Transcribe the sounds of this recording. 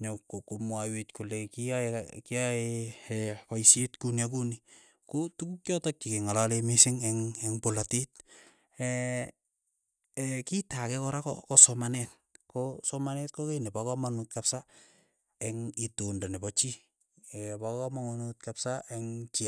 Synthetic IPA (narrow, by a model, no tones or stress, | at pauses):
ɲokokomwawetkulekiakiae | pajsetkunjak̬uni | kotukukjɔtɔk̚t͡ʃikeŋalalemisɪŋɛŋɛŋpolatit̚ | ɛ | kitakɛkɔɾakɔ̰kɔsɔmanɛt̚kosɔmanɛt̚kokenepakamanut̚kapsa | ɛŋitondanepɔt͡ʃi | ɛpakamaŋonut̚kapsaɛŋt͡ʃia